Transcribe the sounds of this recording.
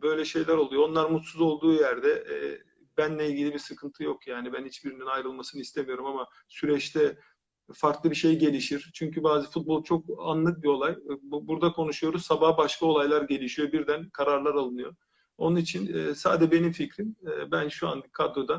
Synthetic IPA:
bø̞jlʲɛʃe̞jlʲæɾo̞lˠujoo̞nlˠaɾmut̪suzo̞lˠd̪uːjæɾd̪ɛː | bænlʲɛilʲɟilʲibisɯkʰɯnt̪ʰɯjo̞kjaːnibænhit͡ʃbiɾininajɾɯlˠmasɯnɯist̪ʰemijo̞ɾumama | syɾɛt͡ʃt̪ʰɛ | faɾk̪lˠɯbiʃe̞jɟe̞lʲiʃiɾ̥t͡ʃʰyɲcʰybaːzɯfut̪̚bo̞lˠt͡ʃʰo̞k̚a̰nlˠɯk̚bio̞lˠajbbuɾd̪akʰo̞nuʃujo̞ɾuzsabahbaʃkʰao̞lˠajlˠaɾɟe̞lʲiʃijo̞biɾd̪ænkʰaɾaɾlˠaɾalˠɯnɯjo̞ | onunit͡ʃʰinɛːsa̰ːd̪ɛd͡ʒbe̞nimficɾinɛːbænʃua̰nkʰad̪od̪an

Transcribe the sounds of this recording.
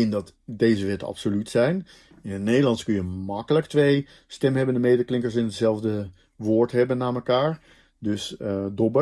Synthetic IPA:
ɪndɑtdejzəʋɛtəɑ̰psolytsɛjn | ɪnətnejdəlɑnskɵnjəmɑkələktʋej | stɛmɦɛbəndəmejdəklɪŋkəɹs̬ɪnətsɛlˠvdə | ʋoːɹtɦɛbənːaːməkaːɹ | dɵsədɔbə

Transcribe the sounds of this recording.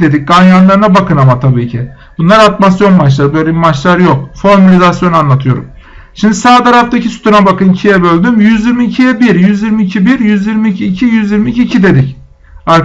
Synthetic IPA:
d̪e̞d̪ic̚ɡanjanlˠaɾɯnabakʰɯnamat̪ʰabiːcʰi | b̥unlˠaɾat̪masjo̞nmalˠaɾɯbøjlʲebimat͡ʃlˠaɾjo̞k̚foɾmalʲizasjo̞nuanlˠat̪ʰɯjo̞ɾṵm | ʃimd̪isaːt̪ʰaɾaft̪acʰisy̥t̪ʰunabakɯnicʰijɛbø̞lʲd̪ymjyzjiɾmiːcʰijɛbiɾjyzjiɾmiːcʰibiɾjyzjiɾmiːcʰiːcʰijyzjiɾmiːcʰiːcʰid̪e̞d̪ic | aɾk

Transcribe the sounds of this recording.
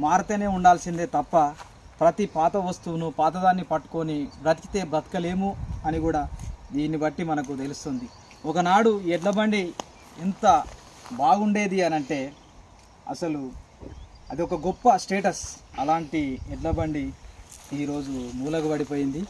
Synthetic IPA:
maːɾt̪ɐːne̞ːuɳɖaːlsind̪eːt̪ɐpːɐ | pɾɐt̪ipaːt̪ɐʋɐst̪uːnupaːt̪̬ɐd̪aːnːipɐʈːu̥konibɾɐt̪ki̥t̪e̞ːbɾɐt̪kɐle̞ːmuɐnikuːɽaːd̪iːnːibɐʈːimɐnɐk̬ut̪elust̪ond̪i | ɔkɐnaːɽuɛɖlɐbɐɳɖi | ɛnt̪ɐ | baːɡuɳɖe̞ːd̪iɐnɐɳʈe̞ː | ɐ̰sɐlu | ɐd̪iɔkɐɡɔpːɐsʈe̞ːʈɐsɐlaːɳʈiɛɖlɐbɐɳɖi | iːɾo̞ːd͡ʒumuːlɐkɐbɐɽipo̞ːjind̪i

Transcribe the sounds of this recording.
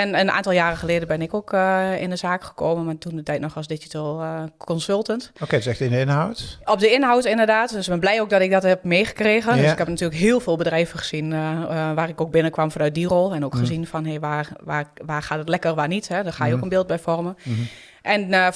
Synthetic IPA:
ɛnənʔa̰ːntɔlˠjaːrəxəleːdənbɪnɪkoːkɪ̰ndəzaːkχə̥koːmənmatundətɛjtnɔχɔsdɪd͡ʒitəlˠkʰɔnsølˠtəntokesɛxtɪndəɪnɦawtɔp̚dəɪnɦawtɪndərdaːtdsbɛnblɛjoːk̚dɔtɪk̚dɔthɛp̚meːxə̥kreːɣəndøsɪkhɛpnatyːləkɦɪːəlˠfɪːlˠbədrɛjvəχə̥z̥inʋaːrɪkok̚bɪnəkʋamfanœɥt̚dirɔlˠɛnokxəzinfɔnɦeʋaʋaʋaːrxaːtətlɛkərʋaːnithɛdɔxaːjəokənbɪːlˠt̚bɛjfɔrmən | ʔɛn

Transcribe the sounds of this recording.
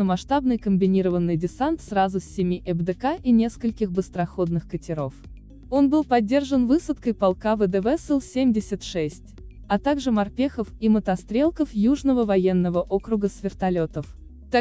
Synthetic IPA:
əmɐʂt̪abnɨjkəmʲbʲɪnʲiɾəvənːɨjdʲɪsant̪srazʊsʲːɪmʲiʔɛbd̪ɛkaʔinʲe̞skəlʲkʲɪxbɨst̪ɾɐxo̞d̪̚nɨxkətʲɪɾo̞f | o̞nbɨlˠpɐdʲːe̞rʐənvɨsət̪kəjpɐlˠkavəd̪ɛvɛsɨlˠsʲemʲdʲɪsʲɪt̪ʂɛsʲtʲ | ɐt̪aɡʐɨmɐrpʲexəfimət̪ɐst̪ɾʲe̞lˠkəfjuʐnəvəvɐjenːəvəʔo̞kɾʊɡəsvʲɪrt̪ɐlʲot̪əf | t̪a

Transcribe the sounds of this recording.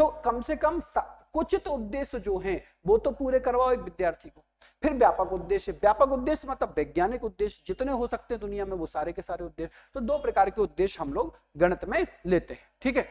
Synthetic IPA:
t̪oːkɐmsekəmsɐkʊt͡ʃɪt̪ʊd̪ːeːʃd͡ʒoːɦɛ̃ | ʋoːt̪opuːɾekɐɾʋaoeːkʋɪd̪jaːɾt̪ʰikoː | pʰɪɾʋjaːpəkʊd̪ːeːʃɦɛʋjaːpəkʊd̪ːeːʃmɐt̪ləbʋɛːɡjaːnɪkʊd̪ːeːʃd͡ʒɪt̪neɦosɐk̚t̪eɦɛ̃d̪ʊnijamẽʋosaːɾekesaːɾeʊd̪ːeːʃ | t̪od̪oːpɾɐkaːɾkeʊd̪ːeːʃɦɐmloːɡɡɐɽ̃ət̪mẽleːt̪eɦɛ̃ʈʰiːkɦɛː

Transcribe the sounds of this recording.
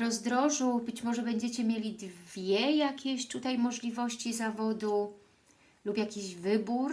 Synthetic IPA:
ɾɔzd̪ɾɔʐubɘt͡ɕmɔʐɛbɛɲd͡ʑɛt͡ɕɛmʲjelʲid̪vʲjɛjakʲeɕt̪ut̪ajmɔʐlʲivɔɕt͡ɕizavɔd̪u | lupjakʲiʑvɘbuɾ

